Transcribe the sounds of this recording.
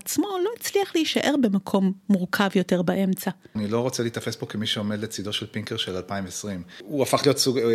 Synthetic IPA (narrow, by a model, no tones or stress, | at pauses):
at͡smo̞lo̞iet͡sliaχlejiʃaʔe̞ʁbe̞makʰo̞mːuʁkʰavjo̞te̞ʁbaʔe̞mt͡sanilo̞ʁot͡selit̪afe̞sbo̞kemiʃeome̞d̪let͡sid̪o̞ʃelpiŋkeʁʃelalpaimvesʁimuafaχlijot̪suɡ